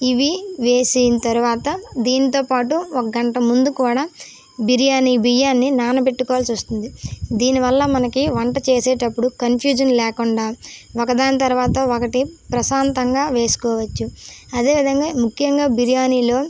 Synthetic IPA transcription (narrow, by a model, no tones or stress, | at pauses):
iʋiʋeːsijnɐt̪ɐɾuʋaːt̪ɐd̪iːnit̪o̞ːpaːʈuɔkɐɡɐɳʈɐmund̪ukuːɽaː | biɾijaːnibijaːnːinaːnɐpeʈːukɔːʋaːlsust̪und̪id̪iːniʋɐlːɐmɐnɐkiʋɐɳʈɐt͡ʃe̞ːseːʈɐpːuɽukɐnpʰjuːd͡ʒɐnlɛːkuɳɖaːokɐd̪aːnɐt̪̬ɐɾuʋaːt̪ɐokɐʈipɾɐsaːnt̪ɐŋɡaːʋe̞ːsu̥kɔːʋɐt͡ʃːuɐd̪e̞ːʋid̪ʱɐŋɡaːmukʰːjɐŋɡaːbiɾijaːniːlo̞ː